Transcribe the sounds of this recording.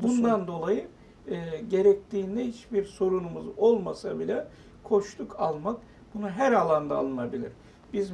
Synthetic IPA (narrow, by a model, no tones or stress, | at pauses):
bund̪and̪o̞lˠajɯː | ɟe̞ɾɛc̚t̪ʰiːnd̪ɛhit͡ʃbiɾso̞ɾunumuzo̞lˠmasabilʲɛ | kʰo̞ʃt̪ʰˠukʰalˠmak̚ | bunuɦæɾalˠand̪a̰ːlˠɯnabilʲḭɾ | b̥iz